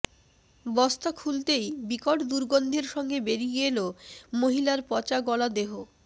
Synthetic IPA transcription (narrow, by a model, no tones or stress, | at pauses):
bɔst̪akʰult̪ejbikoʈd̪uɾɡond̪ʱeɾʃɔŋɡebeɾiɡelomoɦilaɾpɔt͡ɕaɡɔlad̪eɦo